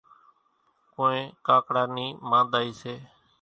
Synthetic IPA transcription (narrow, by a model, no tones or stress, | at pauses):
kõːẽːkaːkɽaːniːmãːnd̪aːiːseː